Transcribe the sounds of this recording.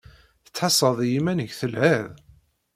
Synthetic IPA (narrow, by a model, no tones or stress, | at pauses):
θə̥t͡sːħɑsˤəðˤjimænəʝθəlhæð